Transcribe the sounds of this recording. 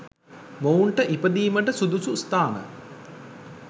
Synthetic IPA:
mouɳʈəʔipəd̪iːməʈəsud̪usust̪aːnə̰

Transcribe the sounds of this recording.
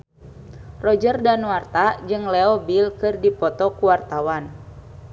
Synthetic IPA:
rɔd͡ʒərdanwart̪ad͡ʒɨŋlɛɔbilkɨrdipɔt̪ɔkuwart̪awan

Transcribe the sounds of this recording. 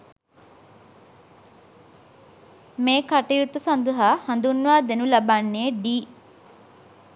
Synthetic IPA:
meːkɐʈejut̪ːəsɐnd̪əɦahɐnd̪unːʋaːd̪enulɐbanːeːɖiː

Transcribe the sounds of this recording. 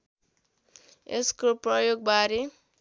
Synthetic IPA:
ḛskoprʌjoɡ̚baɾi

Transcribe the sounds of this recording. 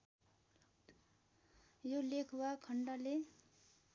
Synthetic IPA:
jolekʰwakʰʌɳɖʌle

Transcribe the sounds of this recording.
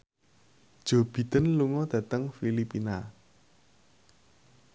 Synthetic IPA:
d̥ʒ̥o̤b̥i̤t̪ənluŋɔd̪̥ä̤t̪əŋfilipina

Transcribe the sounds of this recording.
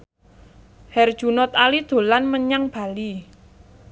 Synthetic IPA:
hɛrd̥ʒ̥ṳnɔt̪alid̪̥o̤lanməɲaŋb̥a̤li

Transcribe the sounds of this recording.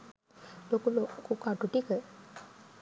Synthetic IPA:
lokulokukaʈuʈikə

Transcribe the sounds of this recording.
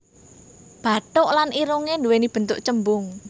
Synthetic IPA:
b̥a̤ʈ̪ʊʔlanʔiɾuŋenduwenib̥ə̤nt̪ʊʔt͡ʃəmbʊŋ

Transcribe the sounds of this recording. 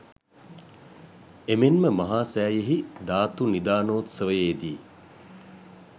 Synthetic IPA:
emenməmɐɦaːsæːjeɦid̪aːt̪unid̪aːnoːt̪səʋəjeːd̪iː

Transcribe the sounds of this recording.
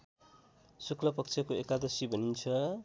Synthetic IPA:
suklʌpʌk̚t͡sʰʌkoekad̪ʌsibʱʌnint͡sʰʌ

